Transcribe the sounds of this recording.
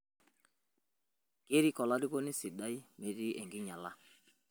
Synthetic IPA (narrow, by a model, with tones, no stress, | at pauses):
ke˦ɾi˦kɔ˨la˦ɾi˦ko˦ni˦si˨da˦i˦me˨di˦ʔɛ˨ŋɡɪ˦ɲa˨la˦